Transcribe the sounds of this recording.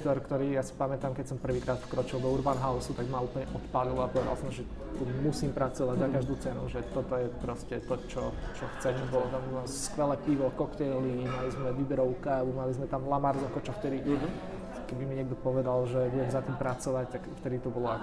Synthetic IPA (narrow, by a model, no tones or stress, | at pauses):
t̪ɔɾkt̪ɔɾiːjasi̥pamɛt̪amkɛcsɔmpr̩ʋiːkɾaːt̪fkɾɔt͡ʃilˠd̪ɔuɾbanɦaʊsut̪aɡmaupl̩ɲɛʔɔt̪palilɔapɔʋɛd̪a̰lˠsɔmʒɛ | t̪umusiːmpɾat͡sɔʋaɟzakaʒd̪uːt͡sɛnṵʒɛt̪ɔt̪ɔjɛpɾɔscɛt̪ɔt͡ʃɔt͡ʃɔxt͡sɛmibɔlɔt̪amua | skʋɛlɛːpiʋɔkɔkt̪ɛjlimalizmɛʋibɛɾɔʊkaumalizmɛt̪amlamaɾzɔmkɔt͡ʃɔft̪ɛd̪i | kɛbimiɲɪɛɡd̪ɔpɔʋɛd̪alʒɛʋɪɛmzat̪iːmpɾat͡sɔʋact̪akft̪ɛd̪it̪ɔbɔlɔa